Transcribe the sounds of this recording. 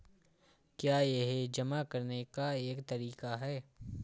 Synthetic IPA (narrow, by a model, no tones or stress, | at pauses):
kjaːjeɦed͡ʒɐmakɐɾnekaeːkt̪ɐɾiːkaɦɛː